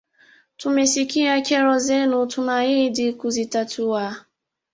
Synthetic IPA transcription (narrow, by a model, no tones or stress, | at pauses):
tʊmesikijakeɾɔzenʊtʊmaɲɪdɪkuzitatuwa